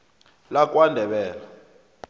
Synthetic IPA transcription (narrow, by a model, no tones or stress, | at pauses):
lak̬ʼwandʱɛɓɛːla